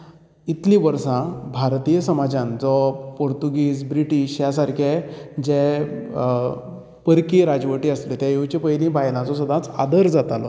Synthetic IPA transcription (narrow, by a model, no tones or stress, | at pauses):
it̪lĩʋəɾsãbʱaɾt̪ijəsəmad͡ʑãnd͡zɔpoɾt̪uɡiːsbɾiʈiːɕjasaɾkʰed͡ʑɛ | pəɾkiɾad͡zʋəʈiːəslit̪ɛ̃ewt͡ɕepəjlĩbajlãt͡sɔsəd̪ʱãt͡sa̰d̪əɾd͡zat̪alɔ̰